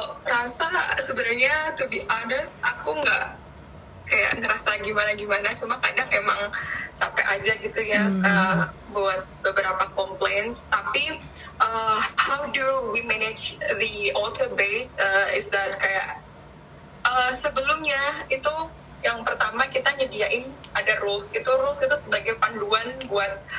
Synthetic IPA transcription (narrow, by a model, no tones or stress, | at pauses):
ɾasasəbənʊrɲat̪ubiʔadəsakuŋɡa̰ʔ | kaja̰ʔŋəɾasaɡimanaɡimanat͡ʃumakadakemaŋt͡ʃampḛʔad͡ʒaɡit̪ujakə | buat̪̚bəbəɾapakɔmplenst̪api | ʔəhawduwimɛned͡ʒðəɔlt̪əbesəɪsd̪ɛt̪̚kaja̰ʔ | əsəbəlʊmɲait̪u | jaŋpərt̪amakit̪aɲədiaʔɪnadarʊlsit̪uɾʊlsit̪usəbaɡajpanduanbuat̪̚